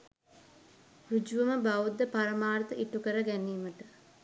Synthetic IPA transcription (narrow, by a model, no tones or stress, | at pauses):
rud͡ʒuʋəməbaʋud̪əpaɾəmaːɾt̪əʔiʈukəɾəɡæniːməʈə